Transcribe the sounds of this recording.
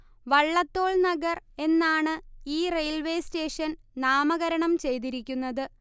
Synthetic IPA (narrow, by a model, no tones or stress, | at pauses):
ʋɐɭːɐt̪ːo̞ːɭnɐɡɐre̞nːaːɳɨiːrejlʋe̞ːste̞ːʂɐn | naːmɐɣɐɾɐɳɐmt͡ɕe̞jt̪̬iɾikʲːunːɐðɨ